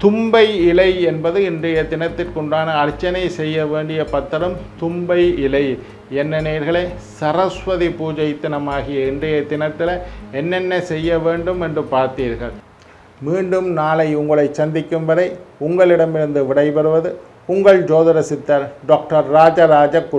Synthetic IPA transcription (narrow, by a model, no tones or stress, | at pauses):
t̪ʊmbɐɪɪlɐɪɛnbɐðɯɪndrɐjɐt̪ɪnɐt̪ːɪrkɔɳɖaːnɐːɾɪt͡ʃːɐnɐɪsɛjːɐʋeːɳɖɪjɐpɐt̪ːɐɾɯmt̪ʊmbɐɪɪlɐɪ | ɛnːɐneːɾɣɐɭeːsɐrɐsʋɐðipuːd͡ʒɐɪt̪ːɪnɐmaːɣɪjɐɪndrɐjɐt̪ɪnɐt̪ːɪlɐɛnːɛnːɐsɛjːɐʋeːɳɖɯmɛndrɯpaːɾt̪iːɾɣɐ̰ɭ | miːɳɖɯmnaːlɐɪʊŋɡɐɭɐɪsɐnd̪ɪkːɯmʋɐðɐɪʊŋɡɐɭɪɽɐmɪɾɯnd̪ɯʋɪɽɐɪpɐɾɯʋɐðɯ | ʊŋɡɐɭd͡ʒoːðɐɾɐsɪt̪ːɐɾɖaːk̚ʈɐɾːaːd͡ʒɐɾaːd͡ʒɐkː